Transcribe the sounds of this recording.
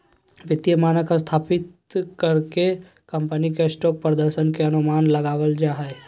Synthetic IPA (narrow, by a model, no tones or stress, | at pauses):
ʋɪt̪ijəmaːnəkast̪ʰaːpɪt̪ | kɐɾke | kɐ̃mpənikesʈɔːpːɾəd̪əɾʃənkeɐnʊmaːnlɐɡaːwəld͡ʒaːɦɛe